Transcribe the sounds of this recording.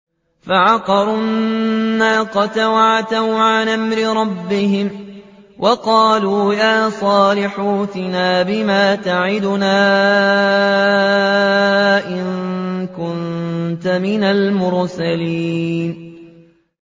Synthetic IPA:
faʕɑqɑɾˤʊnːaːqɑt̪awaʕat̪awʕanʔamɾɪɾˤɑbːɪhɪmwʔɑqɑːluːjaːsˤɑːlɪħuːt̪ɪnaːbɪmaːt̪aʕɪd̪ʊnaː | ʔɪŋkʊnt̪amɪnalmʊɾsalin

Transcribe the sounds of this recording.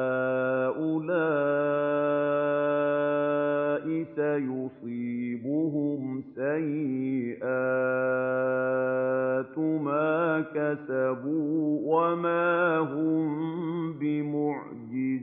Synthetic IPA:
aaːʔʊlaː | ʔɪsajʊsˤiːbʊɦʊmsajɪʔaː | t̪ʊmaːkasabuːwamaːɦʊmbɪmʊʕ | d͡ʒɪz

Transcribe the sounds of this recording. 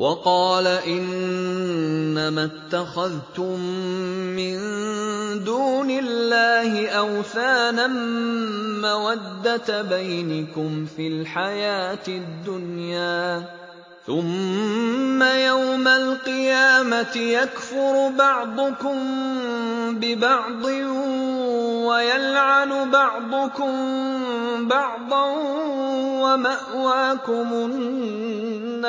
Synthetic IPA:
wʔɑqɑːlaʔɪn | amat̪ːaxaðt̪ʊmː | ɪn | d̪uːnɪlːaːhɪʔawθaːnan | mawad̪ːat̪bajnɪkʊmfilħajaːt̪ɪd̪ːʊnjaː | θʊmː | ajawmalqɨjaːmat̪ɪjakfʊɾbɑʕd̪ˤʊkʊm | bɪbɑʕd̪ˤɨ | wajalʕanʊbɑʕd̪ˤʊkʊm | bɑʕd̪ˤɑ | wamaʔwaːkʊmʊnnː

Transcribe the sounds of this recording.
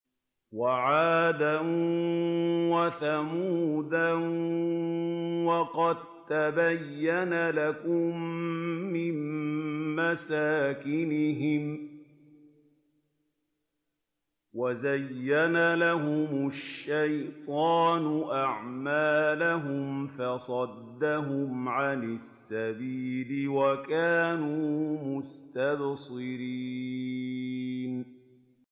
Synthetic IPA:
waʕaːd̪an | waθamuːd̪an | wɑqɑd̪̚ | t̪abajːanalakʊmː | ɪmː | asaːkɪnɪɦɪm | wazajːanalaɦʊmʊʃːajt̪ˤɑːnʊʔaʕmaːlaɦʊmfɑsˤɑd̪ːaɦʊmʕanɪsːabiːlɪwakaːnuːmʊst̪absˤɨɾiː | n

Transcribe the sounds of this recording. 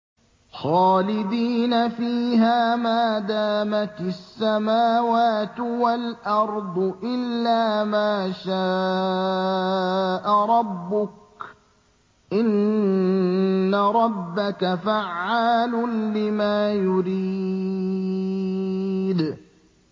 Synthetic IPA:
xɑːlɪd̪iːnafiːɦaːmaːd̪aːmat̪asːamaːwaːt̪walʔɑɾˤd̪ˤʊʔɪlːaːmaːʃaː | ʔaɾˤɑbːʊk̚ | ʔɪn | aɾˤɑbːakafaʕːaːlʊlɪmaːjʊɾi | d̪

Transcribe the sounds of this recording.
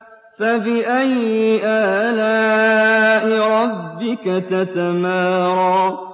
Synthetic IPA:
fabɪʔajɪʔaːlaː | ʔɪɾˤɑbːɪkat̪at̪amaːɾˤɑː

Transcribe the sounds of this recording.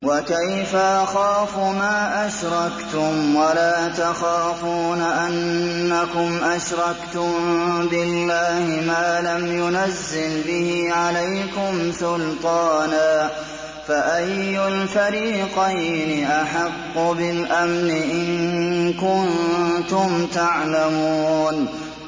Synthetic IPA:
wakajfaʔaxaːfʊmaːʔaʃɾˤɑkt̪ʊmwalaːt̪axaːfuːnaʔanːakʊmʔaʃɾˤɑkt̪ʊmbɪlːaːhɪmaːlamjʊnazːɪlbɪhiːʕalajkʊmsʊlt̪ˤɑːnaː | faʔajːʊlfaɾiːqɑjnɪʔaħɑqːʊbɪlʔamnɪʔɪnnkʊnt̪ʊmt̪aʕlamuuːn

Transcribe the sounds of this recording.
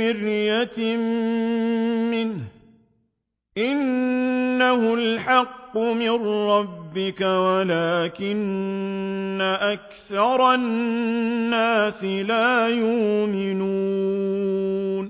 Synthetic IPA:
ɪɾjat̪m | mɪnh | ʔɪnː | ahʊlħɑqːʊmɪnɾɑbːɪkawalaːkɪnː | aʔak | θɑɾˤɑ | aːsɪlaːjʊʔmɪnuː | n

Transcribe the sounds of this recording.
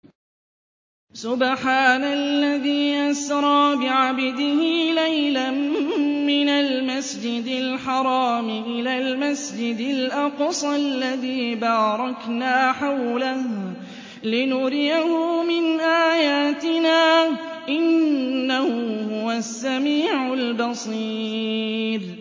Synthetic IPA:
sʊbħaːnalːaðiːʔasɾˤɑːbɪʕabd̪ɪhɪlajlammɪnalmasd͡ʒɪd̪ɪlħɑɾˤɑːmɪʔɪlaːlmasd͡ʒɪd̪alʔɑqsˤalːaðiːbaːɾˤɑknaːħawlah | lɪnʊɾɪjahʊmɪnʔaːjaːt̪ɪnaː | ʔɪnːahʊhʊwasːamiːʕʊlbɑsˤiː | ɾ

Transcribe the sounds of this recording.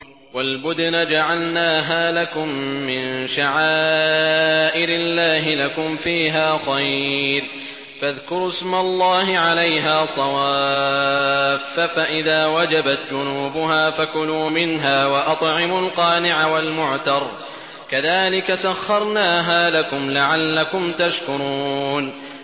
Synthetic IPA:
walbʊd̪nad͡ʒaʕalnaːɦaːlakʊmːɪnʃaʕaː | ʔɪɾɪlːaːɦɪlakʊmfiːɦaːxˤɑjɾ | faðkʊɾɪsmalˤːɑːɦɪʕalajɦaːsˤɑwaː | ffaʔɪðaːwad͡ʒabat̪d͡ʒʊnuːbʊɦaːfakʊluːmɪnɦaːwaʔɑt̪ˤʕɪmʊlqɑːnɪʕawalmʊʕt̪ɑɾˤ | kaðaːlɪkasaxːɑɾˤnaːɦaːlakʊmlaʕalːakʊmt̪aʃkʊɾuːn

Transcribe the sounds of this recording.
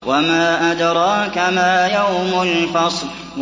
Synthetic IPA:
wamaːʔad̪ɾˤɑːkamaːjawmʊnfɑsˤl

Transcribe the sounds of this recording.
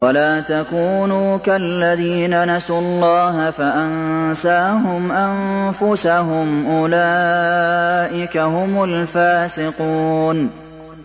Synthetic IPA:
walaːt̪akuːnuːkalːaðiːnanasuːɑlˤːɑːɦafaʔansaːɦʊmʔamfʊsaɦʊmʔʊlaː | ʔɪkaɦʊmʊlfaːsɪquːn

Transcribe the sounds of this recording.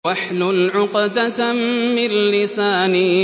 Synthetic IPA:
aħlʊlʕʊqd̪amɪlːɪsaːnɪ

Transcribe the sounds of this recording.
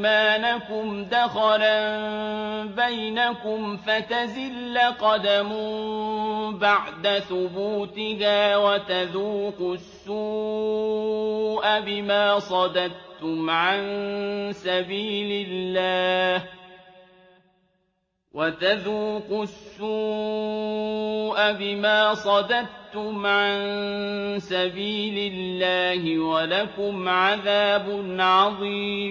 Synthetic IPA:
maːnakʊmd̪axɑɾa | bajnakʊmfat̪azɪlːaqɑd̪amʊ | baʕd̪aθʊbuːt̪ɪkaːwat̪aðuːqʊsːuː | ʔabɪmaːsˤɑd̪ɑd̪̚t̪ʊmʕansabiːlɪlːaːh | wʔat̪aðuːqʊsːuː | ʔabɪmaːsˤɑd̪ɑd̪̚t̪ʊmʕan | sabiːlɪlːaːhɪwalakʊmʕaðaːbʊnʕɑðˤiːmm

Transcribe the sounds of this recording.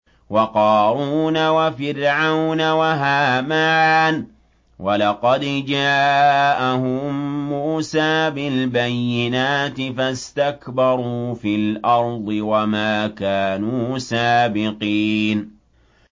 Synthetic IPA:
wɑqɑːɾuːnawafɪɾʕawnawaɦaːmaːn | wʔalɑqɑd̪d͡ʒaːʔahʊmmːuːsaːbɪlbajːɪnaːt̪ɪfast̪akbɑɾˤuːfilʔɑɾˤd̪ˤɨwamaːkaːnuːsaːbɪqiːn

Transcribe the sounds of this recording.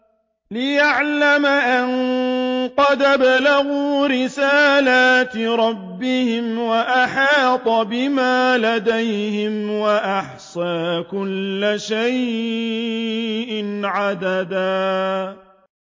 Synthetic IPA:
lɪjaʕlamaʔan | qɑd̪abalaɣuːɾɪsaːlaːt̪ɾˤɑbːɪhɪmwaʔaħɑːt̪ˤɑbɪmaːlad̪ajhɪmwaʔaħsaːkʊlːaʃaj | ʔɪnʕad̪ad̪aː

